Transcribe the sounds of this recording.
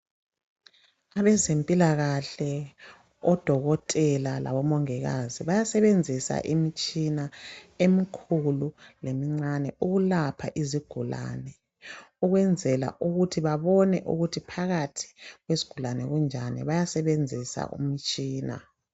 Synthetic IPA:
aβɛzempʼilaɣaɬɛ | ɔd̥ʱɔɣɔtʼɛlala̰βɔmɔŋɛɣaziβajasɛβend͡zʱisa̰ʔimit͡ʃʼinaemikʰululemiŋ͡ǀanɛuɣulapʰaʔiziɡ̥ʱula̰nɛ | uɣwɛnd͡zʱɛla̰ʔuɣutʰiβaβɔnɛ̰ʔṵɣutʰipʰaɣatʰi̥ɣweziɡ̥ʱulanɛɣund͡ʒʱanḭβajasɛβend͡zʱisa̰ʔṵmit͡ʃʼiːna̰

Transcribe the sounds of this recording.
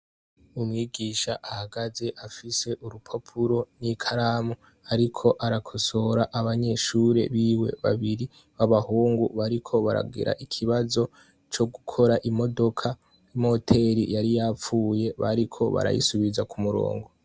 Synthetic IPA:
umŋiːɡiːʃaʔahaɡaze̞ʔafise̞ʔuɾupʰopʰuɾo̞nikʰaɾaːmu | aɾikʰo̞ʔaɾakʰo̞so̞ɾaʔaβaɲe̞ʃuːɾe̞̰βiːwe̞̰βa̰βiɾi | βaβahuːŋɡuβaɾikʰo̞βaɾa̰ɡḭɾʔa̰ʔikʰiβazo̞ | t͡ʃo̞ɡukʰo̞ɾaʔimo̞do̞kʰa | imo̞tʰe̞ɾḭjaɾijap͡fuːje̞βa̰ɾikʰo̞βa̰ɾa̰jḭsuβizakumuɾo̞̰ːŋɡo̞

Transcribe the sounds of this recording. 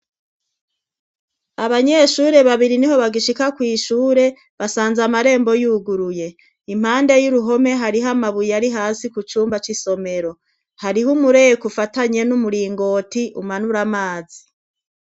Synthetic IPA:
aβaɲe̞ʃuːɾe̞βaβiɾiniɦo̞βaɡiʃikakwiːʃuːɾe̞ | βasaːnzamaɾe̞ːmbo̞juːɡuɾuje̞ | im̥haːnde̞juɾuɦo̞me̞ɦaɾiɦamaβujaɾiɦaːsikut͡ʃuːmbat͡ʃiso̞me̞ɾo̞ | haɾiɦumuɾe̞jekufataɲe̞numuɾiːŋɡo̞ːtiʔumanuɾamaːzi

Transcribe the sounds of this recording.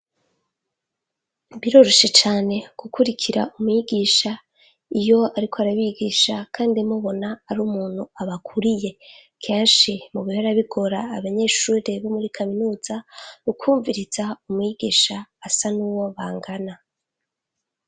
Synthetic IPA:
βiɾo̞ɾo̞ʃe̞t͡ʃaːne̞ɡ̥ukʰuɾikʰiɾa̰umŋiɡiːʃa | ijo̞aɾikʰoaɾaβiɡiːʃakʰaːndimuβo̞naːɾuːmuːn̥huaβakʰuɾije̞kʰe̞ːnʃimuβiheɾaβiɡo̞ɾaːβaɲe̞ːʃuːɾe̞βomuɾikʰaminuːzaukʰuːɱviɾiz̥aumwiɡ̥iːʃaːsanuːwo̞βaːŋɡana

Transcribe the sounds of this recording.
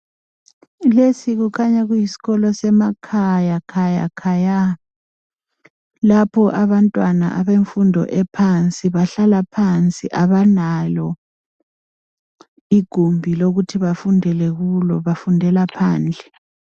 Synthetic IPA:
lesiɣukʰaɲaɣujisi̥ɣɔlɔsɛmakʰajakʰaja̰kʰaja | lapʰɔʔaβantʼwana̰ʔaβeɱfundʱɔ̰ʔɛpʰant͡sʼiβaɬalapʰant͡sʼiʔaβanajɔ | iɡ̥ʱumbʱiloɣutʰiβafundʱɛlɛɣulɔβafundʱɛlapʰaːnd͡ɮʱɛ

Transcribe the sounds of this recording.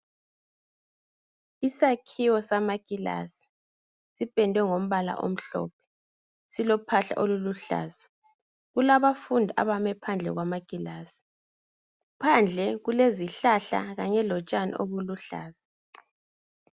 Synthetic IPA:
isakʰiwɔsamaɡ̥ʼila̰si̥ | sipʼɛndʱwɛŋom̩βala̰ʔo̰m̩ɬɔ̰ːpʰɛ̥ | silɔpʰaɬa̰ʔoluluɬa̰ːsi̥ | ɣulaβafundʱiʔa̰βamɛpʰand͡ɮʱɛ̰ɣwamaɡ̥ʱʼilaːsi̥ | pʰand͡ɮʱɛɣuleziɬaɬa̰ɣaɲɛlɔt͡ʃʼanḭʔoβuluɬa̰ːzi̥

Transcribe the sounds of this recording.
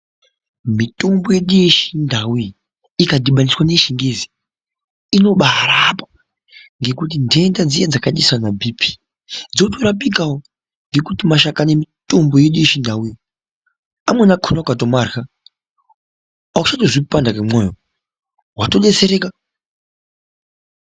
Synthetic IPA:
mito̞mbo̞jeɗiʃindawuji | ikadiɓaniswane̞ʃiŋɡezi | ino̞ɓaɦɾapḁ | ŋɡe̞kutindendad͡ziad͡zakaɗiswanabʱipʰi̥ | d͡zo̞toɾapikawo | ŋɡe̞kutimaʃ̬akanemito̞mbojeɗiʃindawui | amwenakʰunakatomarxa | akut͡ʃatoʐipandakamojo | wato̞ɗe̞t͡se̞ɾe̞ka

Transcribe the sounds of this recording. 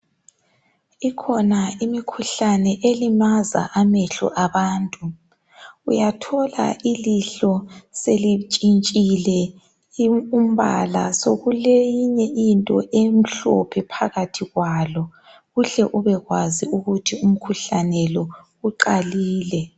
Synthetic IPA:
ikʰɔnaimikʰuɬanɛʔelimaza̰ʔameɬɔ̰ʔaβaːntʼu | ujatʰɔla̰iliɬɔselit͡ʃʼint͡ʃʼilɛ | um̩βa̰la̰soɣulejiɲɛʔintʼɔʔem̩ɬɔ̰pʰɛpʰaɣatʰiɣwaːlɔ | ɣuɬɛʔuβɛɣwaziuɣutʰium̩kʰuɬanɛlɔ | uǃaliːlɛ

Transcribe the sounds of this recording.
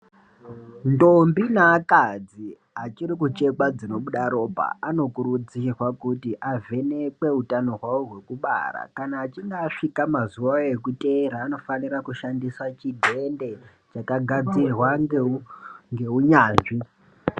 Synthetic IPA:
ndo̞mbinaːkad͡zi | at͡ʃiɾikut͡ʃe̞kad͡zino̞ɓuɗaɾo̞bʱa̰ano̞kuɾud͡zirwakutiʔavʱe̞nekwe̞utano̞ɦwaoɦwe̞kuɓa̰ra̰kanaːt͡ʃiŋɡaːʂikamazuwaekute̞ɾaːno̞fanirakuʃandiswat͡ʃidʱe̞nde̞ | t͡ʃakaɡʱad͡zirwaŋ | ŋɡe̞uɲaːnʐi

